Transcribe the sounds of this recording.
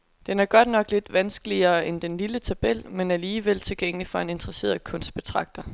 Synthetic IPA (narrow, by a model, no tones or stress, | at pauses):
d̥enæɐɡ̥ɒ̽d̥nɒ̽ɡ̥le̝d̥ʋænsɡ̥əliɐːend̥enlilət͡sʰæb̥el̰menæɐliːʋel̰t͡sʰe̝lɡ̥eŋ̰əlifɒ̽e̝ne̝nd̥ʁɐse̝̰ːɐkʰɔ̽nsd̥̚b̥e̝t͡sʰʁɑ̈ɡ̥̚d̥ɐ